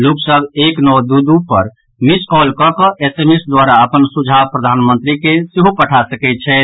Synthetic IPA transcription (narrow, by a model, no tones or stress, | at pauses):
luksəbʱeknɔwd̪ud̪upəɾ | miskɔlkɔkəʔesemesd̪waɾaəpənsud͡ʒʱapɾəd̪ʱanmənt̪ɾikesiɦopəʈʰasəkɛt̪̚t͡ʃʰɛ